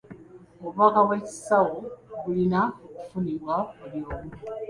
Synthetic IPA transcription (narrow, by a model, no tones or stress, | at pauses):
oβakaweci̥sawoβulinaokufuniβwakuljoːma